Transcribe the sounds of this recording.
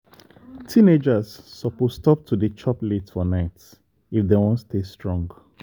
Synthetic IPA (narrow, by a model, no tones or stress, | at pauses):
tʰĩned͡ʒasːɔposstɔp̚tʰudət͡ʃʰɔpletfɔnaɪt | ifdewɔ̃nstʰestɹɔ̃ŋɡ